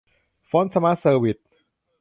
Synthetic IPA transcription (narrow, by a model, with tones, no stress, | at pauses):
fɔː˦˥nsa˧ma˦˥sɤː˧wi˨˩t̪̚